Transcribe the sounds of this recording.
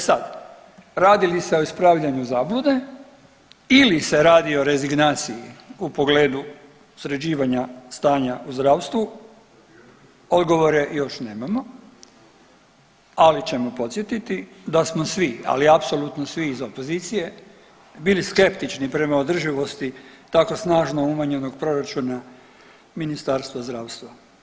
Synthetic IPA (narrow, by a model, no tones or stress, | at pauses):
sad̪ | ɾaːd̪ilise̞o̞ispɾaːʋʎʲaɲuzaːblud̪e | ilise̞ɾaːd̪io̞ɾe̞ziɡnaːt̪sijiupo̞ɡle̞ːd̪u | sɾed͡ʑiːʋaɲast̪aːɲauzd̪ɾaːʋst̪ʋu | o̞d̪ɡo̞ʋo̞ɾe̞jo̞ʃneːmamo̞ | alit͡ɕe̞mopo̞t̪sje̞t̪it̪id̪asmosʋia̰liapso̞lut̪nosʋiːzo̞po̞zit̪sije̞ | biliske̞pt̪it͡ʃnipɾe̞maod̪r̩ʒiʋo̞st̪it̪ako̞snaːʒnoumaɲe̞no̞ɡ̚pɾo̞ɾat͡ʃuna | minist̪aːɾst̪ʋazd̪ɾaːwst̪ʋa